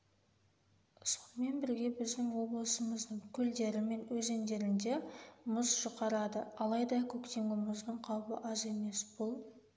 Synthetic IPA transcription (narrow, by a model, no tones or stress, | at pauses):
sonme̞nbɪɾɡʲe̞bɪzd̪ɪŋwo̞blˠəsəməzd̪əɴkʲʰʏld̪e̞ɾɪme̞nwɵze̞nd̪e̞ɾɪnd̪e̞mʊzʒʊqɑɾɑd̪əɑlˠɑjd̪ɑkʲʰɵkt̪e̞ŋɡʲɪmʊzd̪əɴqʰɑwpə̰ʔɑze̞me̞sbʊlˠ